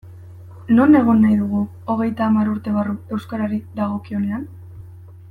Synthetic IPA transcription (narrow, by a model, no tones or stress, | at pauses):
no̞ne̞ɣ̞o̞nːajðuɣ̞u | o̞ɣ̞e̞jt̪aːmaɾuɾt̪e̞βarue̞wskaɾaɾiðaɣ̞o̞kio̞ne̞an